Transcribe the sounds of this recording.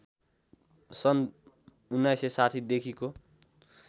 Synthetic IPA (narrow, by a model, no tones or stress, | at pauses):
sʌn | unːajsesaʈʰid̪ekʰiko